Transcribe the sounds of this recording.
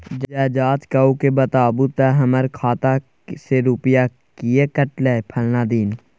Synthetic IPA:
d͡ʒd͡ʒɛːd͡ʒaːt̪kaukebət̪aːbut̪ɛɦəməɾkʰaːt̪a | seɾuːpɪjaː | kiekəʈleːpʰəlnaːd̪iːn

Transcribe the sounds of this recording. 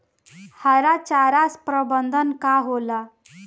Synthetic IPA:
həɾat͡ɕaɾaspɾəbənd̪ʱənkaɦola

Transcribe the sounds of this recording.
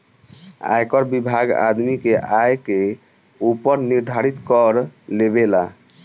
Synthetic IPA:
a̰jkɔɾbibʱaɡa̰d̪mikeajke | upəɾniɾd̪ʱaɾit̪kɔɾlebela

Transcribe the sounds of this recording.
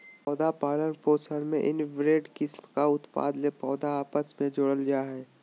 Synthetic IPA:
pɔːd̪apaːlənpoːsəlmẽʔɪnʋɾeːɖkɪsmkaʊt̪pa̰ːd̪lepɔːd̪aːpəsmẽd͡ʒʊɽəld͡ʒaːɦɛː

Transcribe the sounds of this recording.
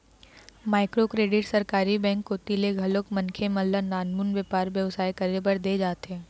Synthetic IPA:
maːɪkɾokɾeːɖɪʈsɐɾkaːɾibɛ̃ːŋkːot̪ileɡʱɐlokmɐ̃nkʰemɐllanaːnmunʋjəpaːɾʋjəʋsaːjkɐɾebəɾd̪eːd͡ʒaːt̪ɛ̃ː

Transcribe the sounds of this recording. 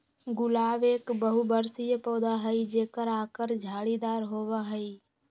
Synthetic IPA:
ɡʊlaːʋeːkbəɦubəɾsijpɔːd̪aɦəid͡ʒeːkəɾaːkəɾd͡ʒʱaːɽid̪aːɾɦoːʋaɦəi

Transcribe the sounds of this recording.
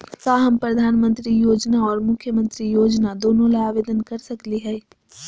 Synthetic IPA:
kaːɦɐmpɾɐd̪ʱaːnmə̃nt̪ɾijoːd͡ʒnaɔːɾmʊkʰːjəmə̃nt̪ɾijoːd͡ʒnad̪oːnõlaaːʋeːd̪ənkɐɾsɐkliɦɛː

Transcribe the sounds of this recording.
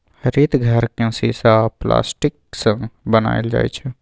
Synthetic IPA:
həɾit̪ɡʱəɾkẽsisapla̰ːsʈik̚sə̃ŋɡbəna̰ɪld͡ʒa̰jt͡ʃʰɛ

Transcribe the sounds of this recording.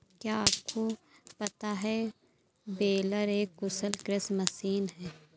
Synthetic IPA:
kjaːaːp̚kʰo | pɐt̪aɦɛ | beːləɾeːkːʊsəlkɾɪsmɐsiːnɦɛː

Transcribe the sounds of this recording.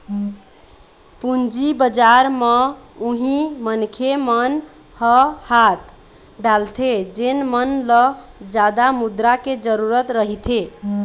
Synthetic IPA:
pund͡ʒibəd͡ʒaɾmeuɦĩmənkʰemən | həhat̪ | ɖalt̪ʰed͡ʒenmənləd͡ʒad̪amud̪ɾaked͡ʒəɾuɾət̪ɾəɦit̪ʰe

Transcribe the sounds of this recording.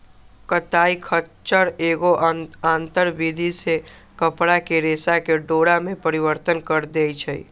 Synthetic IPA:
kət̪aːikʰət͡ʃəɾeːɡoʔãːnt̪əɾbid̪ʱise | kəpɽakeɾeːsakeɖoːɽamẽpəɾiʋəɾt̪ənkəɾd̪ejt͡ʃʰəḭ

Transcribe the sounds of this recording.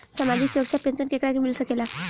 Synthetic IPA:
səmad͡ʑiːksuɾəksapensənkekɽakimilsəkela

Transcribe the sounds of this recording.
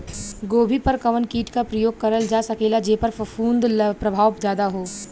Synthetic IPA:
ɡoːbʱipɐɾkɐʋənkiːʈkapɾɐjoːɡ̚kɐɾəld͡ʒaːsɐkeːlad͡ʒeːpɐɾfɐfuːnd̪pɾɐbʱaːʋzjaːd̪aɦoː

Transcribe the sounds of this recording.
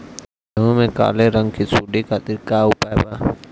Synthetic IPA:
jəɦũmẽka̰ːleɾə̃ŋɡkʰiːsuːɖikʰaːt̪ɪɾkaːʊpaːebaː

